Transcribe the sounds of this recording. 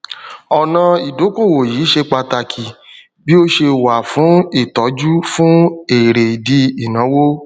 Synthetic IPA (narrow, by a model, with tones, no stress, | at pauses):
ɔ˨nã˧i˨do˨˦ko˦˨wo˨jiː˨˦ʃe˧k͡pa˧ta˧kʰi˨ | bi˦o˦ʃe˧wa˨fũ˨˦i˦˨tɔ˨˦d͡ʒu˦fũ˦e˨ɾe˨i˨di˦i˨nã˨˦wo˦